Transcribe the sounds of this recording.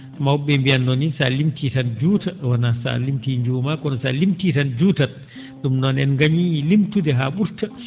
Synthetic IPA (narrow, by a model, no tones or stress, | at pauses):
mawɓɛmbijanːɔnisalimtitand͡ʒuːtawanasa̰limtiɲd͡ʒuːmakɔnɔsalimtitand͡ʒuːta | ɗumnɔnɛnŋɡaɲiilimtudɛɦaɓuɾta